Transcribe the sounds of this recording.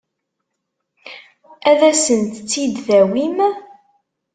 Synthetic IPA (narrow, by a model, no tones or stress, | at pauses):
æðæsənt̪t͡sːid̪θæwim